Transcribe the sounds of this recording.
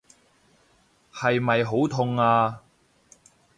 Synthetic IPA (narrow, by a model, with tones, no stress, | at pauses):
hɐ˨jmɐ˨jɦo˨˥wt̪ʰʊ˧ŋaː˧